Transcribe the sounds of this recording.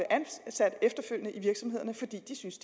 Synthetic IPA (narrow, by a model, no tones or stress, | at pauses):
əʔænsæd̥efd̥ɐføl̰jənəʔiʋiɐɡ̥sɒ̽me̝ð̞̰ˠɐnəfɒ̽d̥ḭːd̥isynsd̥